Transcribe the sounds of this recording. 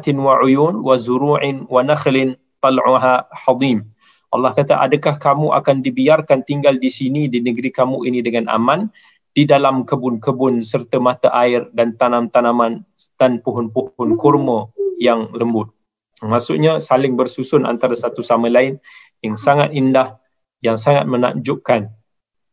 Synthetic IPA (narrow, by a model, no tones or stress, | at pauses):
t̪ɪnwaʕujunwazuɾuʕɪnwanaxlɪn | t̪ɑlʕʊɦaħɑd̪im | ʔɑ̰lːɑhkat̪aʔa̰dəkahkamuʔa̰kandibiarkant̪iŋɡaldisinidinəɡɾikamuʔinidəŋana̰mãn | d̥idalamkəbʊnkəbʊnsərt̪əmat̪aʔaɪrdant̪anãmt̪anaman | d̥anpuɦʊnpuhʊnkɔrmə̃jaŋləmbʊt̪̚ | masʊʔɲasalɪŋbərsusʊna̰nt̪aɾasat̪usamãlaɪn | jaŋsaŋat̪indah | jaŋsaŋa̰t̪̚məna̰ɲd͡ʒʊʔkan